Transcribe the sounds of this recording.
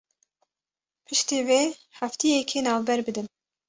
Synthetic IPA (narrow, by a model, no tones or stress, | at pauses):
pʰɨʃt̪iːveːhæft̪ijɛkʰeːnɑːvbɛɾbɨd̪ɨn